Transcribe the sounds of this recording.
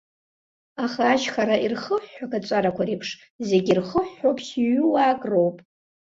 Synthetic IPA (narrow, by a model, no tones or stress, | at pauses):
aχaːʃχaɾairχəħːakʰʼat͡ʃʷʼaɾakʷʰaɾejpʰʂ | ze̞ɡʲirχəħːowpʰʼsiɥʊwaːkʼro̞wpʼ